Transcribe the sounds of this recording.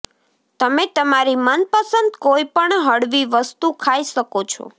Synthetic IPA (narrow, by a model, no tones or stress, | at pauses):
t̪əmet̪əmaɾimənpəsənd̪koipəɳɦəɽʋiʋəst̪ukʰaiʃəkot͡ʃʰɔ̰